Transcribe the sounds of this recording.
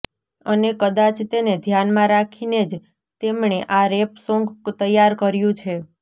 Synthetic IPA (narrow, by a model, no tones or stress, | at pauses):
ənekəd̪at͡ʃt̪ened̪ʱjanmãɾakʰined͡ʒ | t̪emɳeʔaɾepsõŋɡt̪əjːaɾkəɾjũt͡ʃʰe